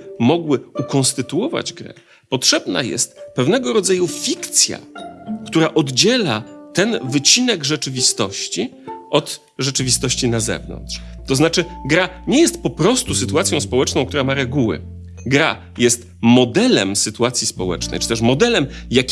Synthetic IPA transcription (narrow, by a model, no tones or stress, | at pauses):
mɔɡwɘukɔ̃ñst̪ɘt̪uɔva̰d͡ʑɡɾɛ̰ | pɔtʂɛbna̰jɛ̰st̪pɛvnɛɡɔɾɔd̪zajufʲikt̪sʲja̰kt̪uɾaʔɔd̪d͡ʑɛlat̪ɛnvɘt͡ɕinɛɡʐɛt͡ʂɘvʲist̪ɔɕt͡ɕiʔɔd̪ | ʐɛt͡ʂɘvʲist̪ɔɕt͡ɕinazɛ̰vnɔ̰ntʂt̪ɔznat͡ʂɘɡɾaɲɛjɛst̪̚pɔpɾɔst̪usɘt̪uat̪sʲjɔ̃w̃spɔwɛt͡ʂnɔ̃w̃kt̪uɾamaɾɛɡuwɘ̰ | ɡɾa̰ | jɛst̪ | mɔd̪ɛlɛ̰msɘt̪uat̪sʲjispɔwɛ̰t͡ʂnɛ̰jt͡ʂɘ̥t̪ɛʂmɔd̪ɛlɛmjakʲ